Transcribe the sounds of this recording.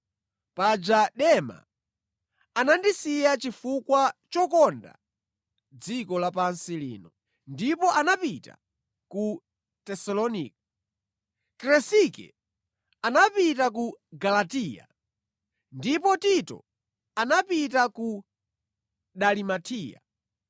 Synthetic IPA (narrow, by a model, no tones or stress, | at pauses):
pad͡ʒaɗɛma̰ | anandisijat͡ʃifukwat͡ʃɔkɔnda̰ | d͡zikɔlapansilḭːnɔ | ndipɔʔanapita̰ | ku | tɛsalɔnḭːk̚a | kɾɛsikɛ̰ | anapitakuɡalatija̰ | ndipɔtitɔ̰ | anapitaku | ɗalimatʰiːja̰